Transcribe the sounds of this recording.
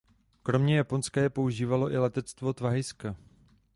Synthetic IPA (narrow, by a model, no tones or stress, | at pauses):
kɾo̞mɲɛjapo̞nskajɛpo̞uʒiːvalo̞ʔɪlɛt̪ɛt͡st̪vo̞t̪vaɦɪska